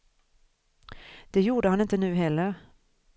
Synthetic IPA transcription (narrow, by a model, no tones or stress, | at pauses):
d̪̥ɛjuːɖəhanɪnt̪ənʉ̟ːɦɛlːəɾ